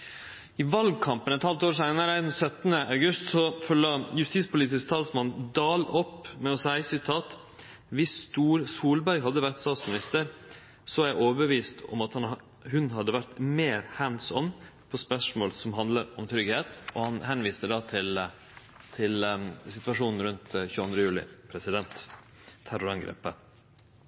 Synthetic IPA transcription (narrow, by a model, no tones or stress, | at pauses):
ɪʋɑlɡ̚kʰɑmpənɛt̪hɑlt̪oːɾʂæɪnəɾəd̪ɛnsœt̪nəʔɑʉɡʉst̪sɔfɔɭɑjʉst̪iːt̪spʊliːt̪ɪskt̪ʰɑːlsmɑnd̪ɑːlɔpːmɛɔsæɪsɪt̪ʰɑːt̪ | ʋɪsːt̪uːɾsuːlbæɾɡɦɑd̪ːəʋæɾt̪st̪ɑːt̪smɪnɪst̪əɾ | sɔɑɾjæɪʔoːʋəbəʋiːst̪ɔ̰mɑt̪hɑn | hʉnɦɑd̪ːəʋæɾt̪meːɾhænsɔnː | pʰɔspœʂmoːlsɔmɦɑnd̪ləɾɔmt̪ʰɾʏɡheːt̪ɔhɑnhɛnʋiːst̪əɖɑːt̪ʰɪl | t̪ʰɪlsɪt̪ʋɑʂuːnn̩ɾʉnt̪çʉːɑnd̪ɾəjʉːlɪ̰pʰɾɛsɪd̪ɛnt̪ʰː | æɾʊɾɑŋɡɾḛːpːə